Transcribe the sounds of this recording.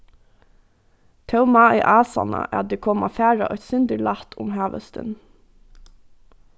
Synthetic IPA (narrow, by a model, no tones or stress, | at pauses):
t̪ʰɑʊmɑːʔḭːʔɑːsɑ̰nə̰ʔæ̰ːd̪eːkʰɔmɑfæːɹɑʔœt̪sʏnd̪əɭɑt̪ʰʊmhɑːʋə̰st̪ʰə̰n